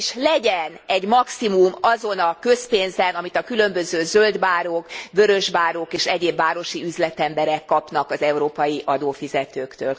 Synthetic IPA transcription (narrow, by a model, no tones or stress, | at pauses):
ʃlɛɟɛnɛɟmɒksimumɒzo̞nɒkø̞speːnzɛnɒmit̪ɒkylø̞mbøzøːzøld̪baːɾoːkbø̞ɾø̞ʒbaːɾokeːʃɛɟeːbːaːɾo̞ʃiyzlɛt̪ɛmbɛɾɛkːɒpnɒkɒzɛuɾoːpɒjiʔɒd̪oːfizɛt̪øːkt̪ø̰ːl